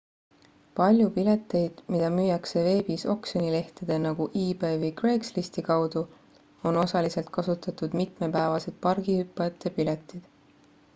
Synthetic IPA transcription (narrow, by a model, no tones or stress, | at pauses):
pɑlʲjupile̞t̪ːˑe̞jd̪̥mid̪̥ɑmyːjɑkse̞ve̞ːbiso̞̰ksonile̞ht̪ed̪̥e̞nɑɡ̥uʔiːbe̞ːvɯjkre̞kslist̪ikɑwd̪̥u | o̞no̞sɑlise̞lt̪̚kɑsut̪ːˑɑt̪ud̪̥mit̪mepæevɑse̞d̪̥̚pɑrɡ̥ihypːˑɑjɑt̪ːˑepile̞t̪ˑːid̪̥